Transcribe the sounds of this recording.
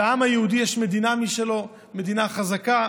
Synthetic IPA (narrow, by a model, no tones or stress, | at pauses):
amhajehud̪ijɛʃme̞d̪inamiʃelo̞ | me̞d̪inaχazaka